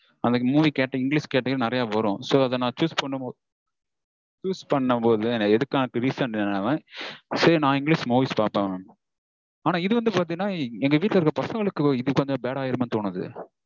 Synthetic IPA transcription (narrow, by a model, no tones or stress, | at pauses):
ɐnd̪ɐmuːʋikeːʈːɐɪŋɡɭiːskeːʈːɐjɾɯnɪɾɐjaːʋɐɾʊ̃soːɐðɐnãːt͡ʃuːspɐɳːɐmo | t͡ʃuːspɐɳːɐmpoːðɯnɛðɯkːaːnɯkːɯɾiːsɐnnaʋẽːseːnãːɪŋɡɭiːsmuːʋiːspaːɾpẽː | aːnaːɪðɯʋɐnd̪ɯpaːɾt̪iŋnːaːɛŋɡɐʋiːʈlɐɪɾɯkːɾɐpɐsɐŋɡɐɭɯkːɯɪðɯʋɐnd̪ɯbeːɽaːjɪɾment̪oːnɐðɯ̰